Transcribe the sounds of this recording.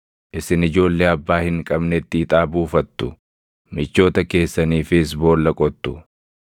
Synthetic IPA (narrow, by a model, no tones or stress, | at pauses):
ʔɪsɪnɪd͡ʒo̞ːlːeːɐbːaːhɪŋkʼɐbnɛt̪ːɪːt̪ʼaːbuːfɐt̪ːʊ | mɪt͡ʃːo̞ːt̪ɐke̞ːsːɐniːfɪs̬bo̞ːlːɐkʼɔt̪ːʊ